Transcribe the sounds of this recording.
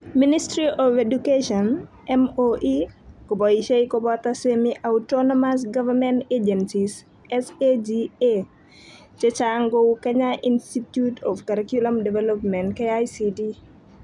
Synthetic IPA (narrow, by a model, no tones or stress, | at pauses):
ministɾiʔɔvedukeʃɔn | ʔɛmoʔikɔbɔiʃeikɔbɔt̪asemiʔawtɔnɔmas̬ɡavamɛnted͡ʒɛnsis | ɛsed͡ʒie | t͡ʃɛt͡ʃaŋɡowkɛɲaʔinstitjutʰɔfkaɾɛkjulamdɛvɛlɔpmɛntkeajsidi